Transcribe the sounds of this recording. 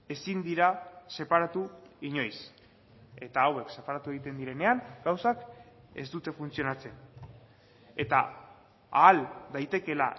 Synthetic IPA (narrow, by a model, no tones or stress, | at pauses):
e̞sind̪iɾase̞paɾat̪uiɲo̞js | e̞t̪aːwe̞kse̞paɾat̪ue̞ɣit̪e̞nd̪iɾe̞ne̞aŋɡ̥awsak | e̞̰zd̪ut̪e̞funt͡sio̞nat͡sen | e̞t̪a̰ | a̰ːld̪ajt̪e̞ke̞la̰